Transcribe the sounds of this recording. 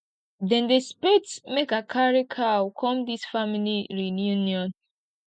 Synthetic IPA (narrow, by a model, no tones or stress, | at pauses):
dɛ̃ndespetsmekakʰaɹikʰawkʰɔ̃mdisfamiliɹinjunjɔ̃n